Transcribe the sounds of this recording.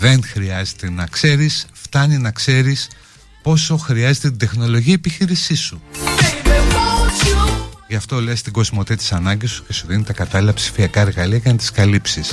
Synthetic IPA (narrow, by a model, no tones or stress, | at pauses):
ðe̞nxɾiɐze̞t̪enɐkse̞ɾisft̪ɐninɐkse̞ɾis | po̞so̞xɾiɐzet̪et̪id̪e̞xno̞lo̞ʝiɐepiçiɾisisu | ʝɐft̪o̞le̞st̪iɡo̞zmo̞t̪et̪i̥sɐnɐɲɟisu̥ce̞suðinit̪ɐkɐt̪ɐlilɐpsi̥fiɐkɐeɾɣɐliɐʝɐnɐt̪i̥skɐlipsis